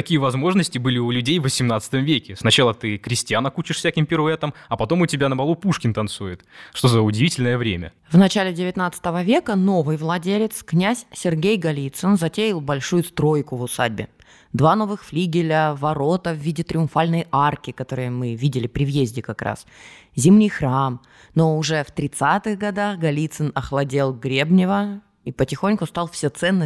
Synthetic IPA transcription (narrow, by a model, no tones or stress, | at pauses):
ɐkʲijəvɐzmo̞ʐnəsʲtʲɪbɨlʲɪʊlʲʉdʲejvvəsʲɪmnat̪sə̥t̪əmvʲekʲɪsnɐt͡ɕalˠət̪ɨkɾʲɪsʲtʲanəkut͡ɕɪʂfsʲækʲɪmpʲɪɾʊɛt̪əmɐpɐt̪o̞mʊtʲɪbʲanəmɐlˠupuʂkʲɪnt̪ɐnt̪sujɪt̪ʂt̪o̞zəʊdʲɪvʲitʲɪlʲnəjəvɾʲemʲə̰ | vnɐt͡ɕælʲɪdʲɪvʲɪt̪nat̪sə̥t̪əvəvʲe̞kəno̞vɨjvlˠɐdʲelʲɪt̪sknʲæsʲsʲɪrɡʲejɡɐlʲit̪sɨnzɐtʲeɪlˠbɐlʲʂujʊst̪ɾo̞jkʊvʊsa̰dʲbʲɪ̰ | d̪vano̞vɨxflʲiɡʲɪlʲəvɐɾo̞t̪əvvʲidʲɪt̪ɾʲɪʊnfalʲnəjarkʲɪkɐt̪o̞ɾɨjəmɨvʲidʲɪlʲɪpɾʲɪvjezʲdʲɪkɐkɾa̰szʲimnʲijxɾam | no̞ʊʐɛft̪ɾʲɪt̪sat̪ɨɣɡɐd̪axɡɐlʲit̪sɨnɐxlˠɐdʲelˠɡɾʲe̞bnʲɪvə | ipətʲɪxonʲkʊst̪ɑlˠfsʲet̪sɛnːə